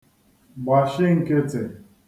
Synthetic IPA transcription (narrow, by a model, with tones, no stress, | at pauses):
ɡ͡ba˨ʃɪ˦ŋ̩˦ke˦te˨